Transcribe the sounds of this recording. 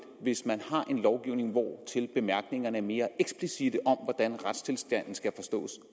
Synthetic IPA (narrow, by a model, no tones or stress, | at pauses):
ʋe̝smænhɑ̈ʔe̝nlɒʊɡ̥iʊne̝ŋʋɒ̰ːt͡sʰe̝lb̥e̝mæɐɡ̥ne̝ŋɐnəme̝ːɐʔeɡ̥sb̥lisid̥əʔɒ̽mʋɒd̥ænʁad̥st͡sʰe̝lsd̥æn̰n̩sɡ̥æfɒ̽sd̥ɔ̰̽ːs